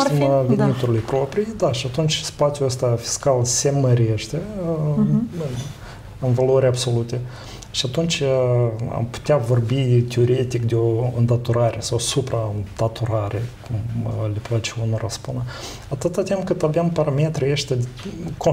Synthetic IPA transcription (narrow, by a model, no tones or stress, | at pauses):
imvenit̪uɾlujpɾo̞pɾijd̪aʃiat̪unt͡ʃʲspat̪sʲjuəst̪afi̥skalse̞məɾe̞ʃt̪e̞ | ɨnvaloɾʲabso̞lut̪e̞ | ʃiat̪unt͡ʃʲ | a̰mpu̥t̪ʲeavo̞rbit̪ʲeo̞ɾe̞t̪ikd̪eo̞ɨnd̪at̪oɾaɾʔe̞sawsupɾat̪at̪oɾaɾe̞kumleplat͡ʃeunoɾa̰spunə | at̪ɨt̪at̪ʲimkɨt̪abampaɾamet̪ɾijeʃt̪ʲeko